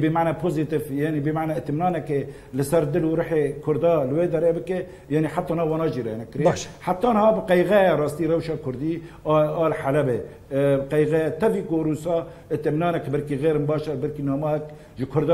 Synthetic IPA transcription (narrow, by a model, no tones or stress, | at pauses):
bemaʕnæpʰozit̪ifjaːnibemaʕnaɨt̪mnɑːnɛke | lɨsɛɾd̪ɨluɾɨħekʰʊɾd̪ɑːlweːd̪ɛɾebɨke | jaːniħat̪ːɑːnhɑːwɑːnɑːʒiɾɛ̰nɛkɨɾeʃħat̪ːɑːnhɑːbqɛjɣɛjɛɾɑːst̪iːɾɛwʃɑːkʰʊɾd̪iɑːlħalɛbe | bqɛjɣɛjɛt̪ʰɛvikoɾuːsɑː | ɨt̪mnɑːnɛkbælkiɣeːɾɨnbɑːʃɛɾbæɾkinɑːmɑɛk̚ | ʒəkʰʊɾd̪ɑː